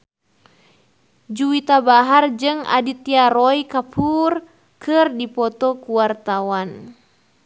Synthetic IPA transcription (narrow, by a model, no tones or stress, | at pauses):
d͡ʒuit̪abaɦard͡ʒɨŋa̰dit̪iaɾɔjkapʰur | kʰɨrdipɔt̪ɔkuwart̪awan